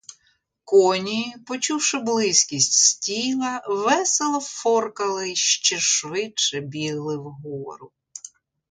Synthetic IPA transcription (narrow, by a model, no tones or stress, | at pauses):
kɔnʲipɔt͡ʃuwʃɪblˠɪsʲkʲisʲtʲsʲtʲilˠɐʋɛselˠɐfɔrkɐlˠɪʃt͡ʃɛʃʋɪt͡ʃɛbʲiɦlˠɪwɦɔɔ̰ɾʊ